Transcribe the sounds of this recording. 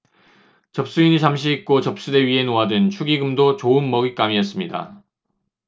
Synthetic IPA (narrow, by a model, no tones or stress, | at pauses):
t͡ɕʌp̚s͈uiniɭt͡ɕamɕ̬ʰiːk̚k͈ot͡ɕʌp̚s͈ude̞ɥiɦe̞noɦadɯnt͡ɕʰuɡiɡɯmdot͡ɕoɯnmʌɡik͈amiʌs͈ɯmɲida̰